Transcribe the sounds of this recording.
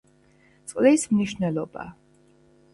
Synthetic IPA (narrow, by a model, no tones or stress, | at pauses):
t̪sʼqʼlismniʃnɛlˠɔba̰